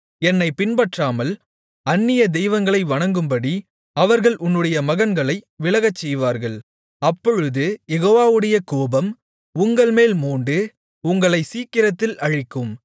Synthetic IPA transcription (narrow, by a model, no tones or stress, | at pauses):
ɛnːɐɪpɪnbɐʈraːmɐl | ɐnːɪjɐd̪ɛjʋɐŋɡɐɭɐɪʋɐɳɐŋɡɯmbɐɽi | ɐʋɐɾɣɐɭʔʊnːɯɽɐjɐmɐɣɐnɡɐɭɐɪʋɪɭɐɣɐt͡ʃːɛjʋaːɾɣɐɭ | ɐpːɔɻɯðɯjɛɣoːʋaːʋɯɽɐjɐkoːbɐm | ʊŋɡɐɭmeːlmuːɳɖɯ | ʊŋɡɐɭɐɪsiːkːɪɾɐt̪ːɪlɐɻɪkːɯm